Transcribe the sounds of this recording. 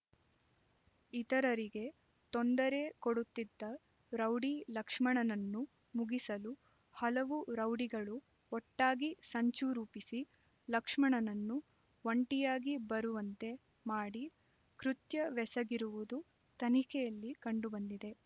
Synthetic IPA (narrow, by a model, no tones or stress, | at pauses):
it̪ɐɾɐɾiɡe̞ | t̪ond̪ɐɾe̞koɽut̪ːid̪ːɐ | ɾɐwɖilɐkʂmɐɳɐnɐnːu | muɡisɐlu | hɐlɐʋuɾɐwɽiɡɐɭu | ɔʈːaːɡisɐɲt͡ʃuɾuːpisi | lɐkʂmɐɳɐnɐnːu | ʋoɳʈijaːɡibɐɾuʋɐnt̪e̞ | maːɽi | kɾut̪jɐʋɛsɐɡiɾuʋud̪u | t̪ɐnikʰɛjɐlːikɐɳɖubɐnd̪id̪e̞